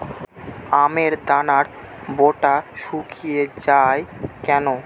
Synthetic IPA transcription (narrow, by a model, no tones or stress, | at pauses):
ameɾd̪anaɾ | boʈaʃukʰijed͡ʑaekɛno